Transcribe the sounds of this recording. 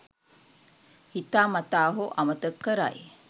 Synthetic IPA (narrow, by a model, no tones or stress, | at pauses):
hit̪aːmɐt̪aːɦuʔɐmət̪əkːəɾa̰j